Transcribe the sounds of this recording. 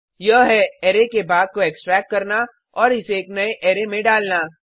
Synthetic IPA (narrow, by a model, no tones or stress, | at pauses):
jɐɦɦɛɛːɾekebaːd̪̚koeːksʈɾɛːk̚ʈ̚kɐɾna | ɔːɾɪseːknɐeʔeːɾemẽɖaːlnaː